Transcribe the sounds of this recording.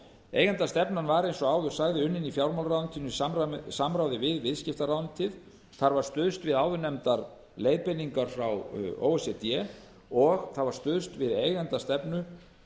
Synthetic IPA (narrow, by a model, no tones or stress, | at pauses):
eːjɣɛnt̪ast̪ɛpnanvaɾejnsɔaːwðʏɾ̥saːjɣðɪʏnːɪnifjawɾmawlɾawnt̪ʰinʏissamɾawðɪvɪðvɪðscɪft̪aɾawʏnt̪ʰɪð | θaɾvaɾ̥st̪ʏðst̪vɪðawðʏɾnɛmt̪aɾ | lejpɪniŋkaɾ̥fɾawo̰ːwɛsɛt̪jɛ | ɔɣθaðvaɾ̥st̪ʏðst̪vɪðeːjɣɛnt̪ast̪ɛpnʏ